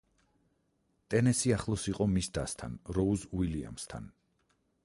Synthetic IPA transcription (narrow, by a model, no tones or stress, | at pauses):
t̪ʼɛnɛsiaχlˠɔsiqʼɔmisd̪ast̪ʰa̰nɾɔuzuilia̰mst̪ʰa̰n